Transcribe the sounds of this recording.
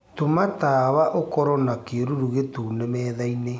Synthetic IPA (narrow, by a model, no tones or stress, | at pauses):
tomataβaʔokɔɾɔnakeɾuɾuɣetuːnemɛːðaine